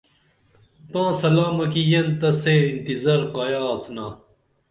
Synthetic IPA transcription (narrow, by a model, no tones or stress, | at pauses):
t̪ãːsɐlaːmɐkijɐnt̪ɐseint̪izɐɾqaːjaːt̪ʰnaː